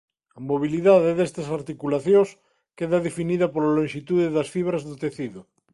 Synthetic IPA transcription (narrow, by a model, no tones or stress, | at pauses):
ɐmoβiliðaðeðest̪asaɾt̪ikulaθjõs | keðaðefiniðɐpoɾlalõŋʃit̪uðeðasfiβ̞ɾazðot̪eθiðo